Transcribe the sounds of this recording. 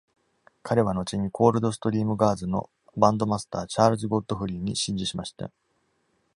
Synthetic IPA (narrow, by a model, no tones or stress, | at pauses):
kʰaɾe̞β̞ano̞t͡ɕiɲ̟ikʰo̞ːɾɯ̟d̪o̞s̬ɨ̥t̪o̞ɾʲiːmɯ̟ɡaːzɨno̞̰ | bãnd̪o̞masɨ̥t̪aːt͡ɕaːɾɯ̟zɨɡo̞t̪ːo̞ɸɯ̟ɾʲiːɲ̟iɕĩɲ̟d͡ʑiɕimaɕi̥t̪a̰